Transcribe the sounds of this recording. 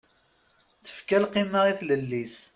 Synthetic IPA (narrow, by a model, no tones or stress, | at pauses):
θə̥fkælqiməʁiθləlːis